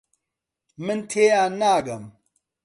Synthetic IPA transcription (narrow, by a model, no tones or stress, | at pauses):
mɨnt̪ʰeːjaːnaːɡɐm